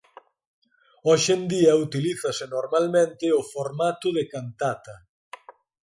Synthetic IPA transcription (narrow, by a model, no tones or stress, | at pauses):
ɔʃend̪iɐut̪iliθɐsɪnoɾmalmẽnt̪ɪʊfoɾmat̪ʊðekant̪at̪ɐ